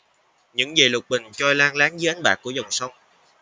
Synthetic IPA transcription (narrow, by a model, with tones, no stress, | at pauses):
ɲɨ̰˧˥ŋze˨˩lʊ˨˩t̚ɓï˨˩ŋ̟t͡ɕɔ˧jlaː˧ŋlaː˨˦ŋzəː˨˦ʔa˨˦jŋ̟ɓaː˨˩kːu˧˩əzə˨˩wŋ͡msə˧wŋ͡m